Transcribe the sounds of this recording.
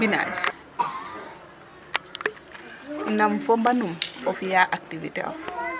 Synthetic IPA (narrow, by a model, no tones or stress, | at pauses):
bina̰d͡ʒ | namfombanumofijaʔak̚tivitḛo̰f